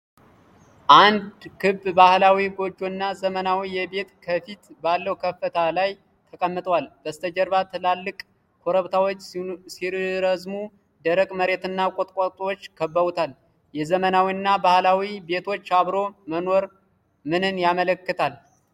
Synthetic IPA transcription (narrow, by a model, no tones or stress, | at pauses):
ʔand̪kʰɨbbahlawiɡo̞d͡ʒːonːazəmənawijɛbe̞t̪kʰəfit̪balːəwkʰəfːət̪ʰalaj | t̪ʰəkʼəmːɨt̪ʼʰəwalb̥əst̪ʰəd͡ʒəɾbat̪ʰɨlalːɨkʼ | kʰoɾəβt̪ʰawot͡ʃːsiɾɨɾəzmu | d̪əɾəkʼməɾe̞t̪ɨnːakʼot̪ʼkʷʼat̪ʼwot͡ʃːkʰəbːəβut̪ʰal | jɛzəmənawinːabahlawibe̞t̪ʰo̞t͡ʃːaβɾo̞məno̞ɾ | mɨnɨnjamələkːɨt̪ʰal